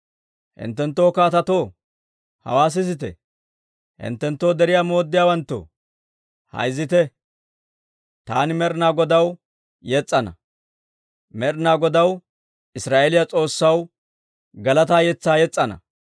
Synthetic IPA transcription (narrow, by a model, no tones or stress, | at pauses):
hɪ̰nt̪ːɛnt̪ːoːkaːt̪ɐt̪oː | hɐ̰waːs̬ɪsɪt̪ɛ̰ | hɪ̰nt̪ːɛnt̪ːo̞ːd̪ɛɾɪjaːmo̞ːd̪ːɪjaːwɐnt̪ːo̰ | hɐ̰jzːɪt̪ɛ | t̪aːnɪmɛɾnaːɡɔd̪ɐw | jɛt͡sʼːɐnɐ̰ | mɛɾnaːɡɔd̪ɐw | ʔɪsɾaːʔelɪjɐt͡sʼo̞ːsːɐw | ɡɐlɐt̪aːjɛt͡sːaːjɛt͡sʼːɐnɐ̰